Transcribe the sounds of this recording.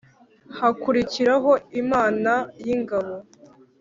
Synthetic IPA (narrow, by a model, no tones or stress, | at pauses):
hakuɾiciɾaɦo̞imaːnajiŋɡaβo̞